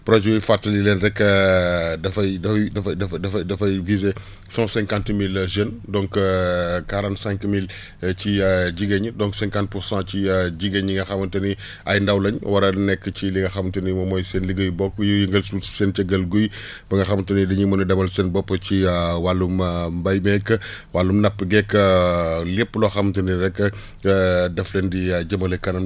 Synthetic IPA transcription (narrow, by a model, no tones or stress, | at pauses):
pɾɔd͡ʒɛjifatːɐlilɛːndɛkːɐdɐfɐjdɐfɐdɐfɐdɐfdɐfɐdɐfɐjvize | sɔ̃sɛ̃ŋkãntmilʒəndɔ̃ŋk | kaɾɐnsɛ̃ŋkmil | ciɟiɡɐɲədɔ̃ŋksɛ̃ŋkãnt̚puɾsãciɟiɡɐɲiŋɡɐxɐmɐntɐni | ɐjndɐwlɐɲwɐɾɐnɛkːəciliŋɡɐxɐmtɐnimɐmɔːjseːnliɡəjbɔkːjujiŋɡɐlsu̥sent͡ʃɐɡɐlɡuj | bɐŋɡɐxɐmtɐnidɐɲimɐnidɐmɐlsɛːnbɔpːəciwalːummbɐjmɛkːəwalːumnɐpːəɡɛkːəlepːlɔxɐmtɐniɾɛkːə | dɐflendiɟɐmɐlɛkːɐnɐm